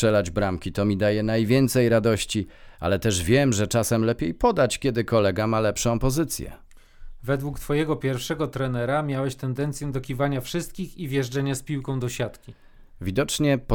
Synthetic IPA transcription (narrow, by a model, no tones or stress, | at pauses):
ɛlad͡ʑbɾamkʲit̪ɔmʲid̪ajɛnajvʲjɛnt̪sɛjɾad̪ɔɕt͡ɕia̰lɛt̪ɛʐvʲjɛmʐɛt͡ʂasɛmlɛpʲjejpɔd̪at͡ɕkʲɛd̪ɘkɔlɛɡamalɛpʂɔ̃w̃pɔzɘt̪sʲjɛ̰ | vɛd̪wukt̪fɔjɛɡɔpʲjɛɾfʂɛɡɔt̪ɾɛnɛɾamʲjawɛɕt̪ɛnd̪ɛnt̪sʲjɛd̪ɔkʲivaɲafʂɘst̪̚kʲixivʲjɛʐd͡ʐɛɲaspʲiwkɔ̃w̃d̪ɔɕat̪kʲi | vʲid̪ɔt͡ʂɲɛp